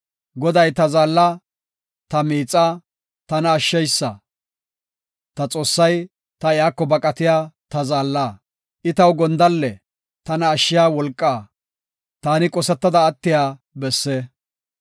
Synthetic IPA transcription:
ɡɔd̪ɐjt̪ɐzaːlːa | t̪ɐmiːt͡sʼːa | t̪ɐnɐːʃːɛjsːɐ | t̪ɐt͡sʼo̞ːsːɐj | t̪ɐɪjaːkːɔbɐkʼɐt̪ɪjaːt̪ɐzaːlːaː | ʔɪt̪ɐwɡɔnd̪ɐlːɛ | t̪ɐnɐːʃːɪjaːwɔlkʼːaː | t̪aːnɪkʼɔsɛt̪ːɐd̪ɐːt̪ːɪjaː | bɛsːeː

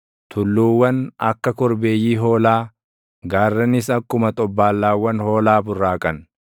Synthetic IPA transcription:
t̪ʰʊlːuːwːɐnɐ̰kːɐkɔɾbe̞ːjːiːɦo̞ːlaː | ɡaːrːɐnɪsɐkːʊmɐt̪ʼɔbːaːlːaːwːɐnhoːlaːbʊrːaːkʼɐn

